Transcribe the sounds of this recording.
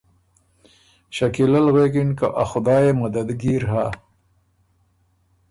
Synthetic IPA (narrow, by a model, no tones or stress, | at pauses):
ɕakilalɣekɪnkaʔaxʊd̪ɑːjemad̪ad̪ɡiɾɦa